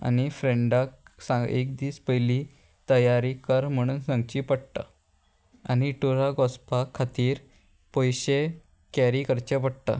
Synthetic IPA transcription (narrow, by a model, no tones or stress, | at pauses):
a̰nifɾeɳɖak̚sãek̚d̪iːspəjli | t̪əjaɾikəɾm̤əɽ̃uːnsãŋɡt͡ɕiːpəɽt̪a̰ | a̰ñiʈuɾaɡɔspakʰːat̪iːɾ | pojɕe | kæɾikəɾt͡ɕepəɽt̪a̰